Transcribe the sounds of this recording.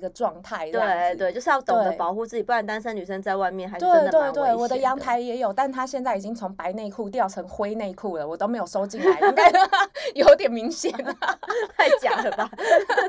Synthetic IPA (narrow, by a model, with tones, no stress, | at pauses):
i˧˥ɡə˧ʈ͡ʂwɑ˥˧ŋt̪ʰa˥˩ɪt̪we˥˩t̪we˥˧ɪt͡ɕjo˥˧ʊʂɻ̩˥˧jɑ˥˩ʊt̪owe˥ŋ˩dəpɑ˨˩ʊxu˥˧t͡sɹ̩˥˩t͡ɕi˨˩pu˥˩a˨˩nt̪a˥nʂə˥ny˨˩ʂə˧˥ŋt͡sa˥˧ɪwa˥˧ɪmjɛ˥˩nxa˧˥t̪we˥˧ɪ˥t̪we˥˧t̪we˥˩ɪwɔ˨˩d̪ə˦jɑ˧˥ŋt̪ʰa˧˥ɪjɛ˧˥jo˨˩ʊt̪a˥˩nt̪ʰa˥ɕjɛ˥˧nt͡sa˥˩ɪi˨˩t͡ɕi˦˥ŋt͡sʰʊ˧˦ŋpa˧˥ɪne˥˧ɪkʰu˥˧t̪̬jɑ˥˨˩ʊʈ͡ʂʰɤ˧˥ŋxwe˥ɪne˥˧ɪkʰu˥˩lə˩wɔ˨˩t̪o˥ʊme˧˥ɪjo˨˩ʂo˥ʊt͡ɕi˥˩n˥˦i˧˥ŋt̪a˥˧əjo˨˩˦ʊt̪̬jɛ˨˩nmi˧˥ŋɕjɛ˨˩nt͡sa˥˧ɪt͡ɕjɑ˨˩ŋd̪ə˩ba˨˩